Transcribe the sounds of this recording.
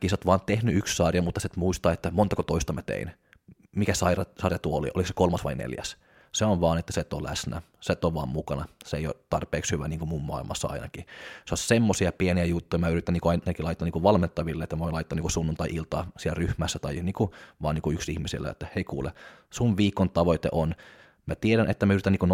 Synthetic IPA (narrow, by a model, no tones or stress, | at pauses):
kisot̪ʋɑːnt̪ehnyykssɑrjɑmut̪ːɑset̪muist̪ɑːet̪ːæmont̪ɑkot̪oist̪ɑmæt̪ḛin | mikæsɑirɑsɑrjɑt̪uoolḭʔo̰likse̥kolmɑsʋɑinḛljæ̰s | seonʋɑːnet̪ːæset̪ːolæ̰snæ | set̪ːoʋʋɑ̰ːmmukɑnɑseeijo̰t̪ːɑrpeːkshyʋæniːŋkumummɑ̰ˑilmʔɑ̰sːɑɑ̰inɑ̰kiseossemːosiɑpieniæjut̪ːujɑmæyrit̪ːˑæniːŋkuɑinɑkilɑit̪ːɑniŋkuʋɑlment̪ːɑʋilːeet̪ːæmæʋoinlɑit̪ːɑniːkusunːunt̪ɑiʔilt̪ɑːsielryhmæsːæt̪ɑiniːŋkuʋɑːniːŋkuyksihmisḭlːæ̰jḛt̪ːæheikṵːlḛsunʋiːkːont̪ɑʋoit̪ḛʔon | mæt̪ieɾænʔet̪ːæmæyɾit̪æniːkun